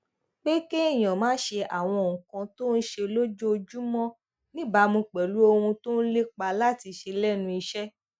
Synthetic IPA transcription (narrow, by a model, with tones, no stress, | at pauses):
k͡pe˦ke˦i˦˨j̃ã˨mãː˨˦ʃe˧a˨w̃ɔ̃˧˨ũ˨kã˧to˦n̩˦ʃe˧lo˦d͡ʒo˦o˧d͡ʒu˦mɔ̃˦ | nĩ˦ba˧˦mũ˧k͡pɛ˨lu˨˦o˧hũ˧to˦n̩˦le˦k͡pa˧la˦ti˧ʃe˧lɛ˦nũ˧i˧ʃɛ˦